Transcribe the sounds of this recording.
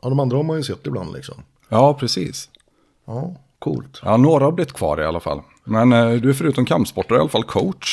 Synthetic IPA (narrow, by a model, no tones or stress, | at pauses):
ɑd̪ɔmand̪ɾahɔɾmanjɵsɛt̪ːɪbla̰nd̪lɪ̰ksɔ̰m | jɑːpʰɾɛsḭːs | ɑː | kʰṵːlt̪jɑ̰ːnoːɾahablɪt̪ːkʰv̥ɑ̰ːɾɪ̰alːafa̰lː | mɛnd̪ɵæɾfœɾʉ̟ːt̪ɔmkʰampspɔʈːaɾɪalːafalkʰɔʊtʂ